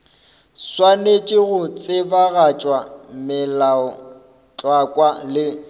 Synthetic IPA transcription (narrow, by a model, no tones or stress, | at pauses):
swanet͡ʃʼɪɣʊt͡sʼɪbaɣat͡ʃʼwamɪlaɔ | t͡ɬʼwakʼwalɪ